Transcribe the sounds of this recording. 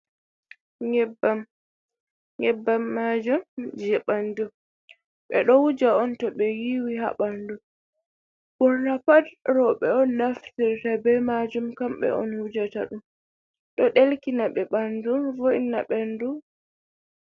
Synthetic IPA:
ŋɛbam | ŋɡɛbːamːad͡ʒumd͡ʒɛɓandu | ɓɛ̰ɗɔwud͡ʒaɔntɔɓɛjiwiha̰ɓandu | bɔɾːapadɾɔɓɛɔnːaftiɾtabɛmad͡ʒumkamɓɛ̰ɔ̰nhud͡ʒataɗum | ɗɔɗelkinaɓɛɓanduvɔʔinaɓɛndu

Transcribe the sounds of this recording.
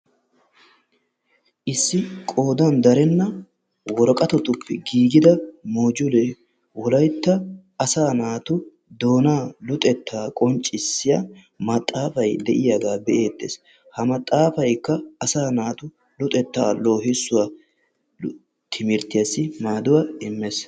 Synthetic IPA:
ʔɪsːɪkʼo̞ːd̪ɐnd̪ɐɾɛnːɐ | wɔɾɔkʼɐt̪ɔt̪ʊpːɛɡiːɡɪd̪ɐmoːd͡ʒʊle | wɔlɐjt̪ːɐː | saːnaːt̪ʊ | d̪o̞ːnaːlʊt̪ʼɛt̪ʰːaːkʼɔnt͡ʃʼːɪsːɪja | mɐt̪ʼːaːfɐjd̪ɛʔɪjɐɡaːbɛʔe̞ːt̪ːḛːs | hɐmɐt̪ʼːaːfɐjkːɐɐsaːnaːt̪ʊ | lʊt̪ʼɛt̪ːa̰ːlːoːhɪsːʊwa | t̪ʰɪmɪɾt̪ɪjɐsːɪmaːd̪ʊwɐɪmːes

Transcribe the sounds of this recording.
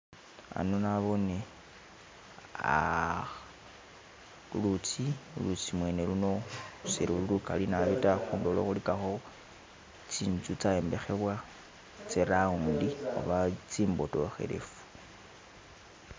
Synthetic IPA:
a̰nonaβo̞ne | a̰ | lut͡silut͡simwe̞ːneluno̞usiɾululukalinaβitaxuːndolo̰xulikaxo | t͡siːnt͡sut͡saembe̞xe̞βwa | t͡seɾaundio̰βat͡siːmbo̞toxe̞̰ɾe̞̰fu̥

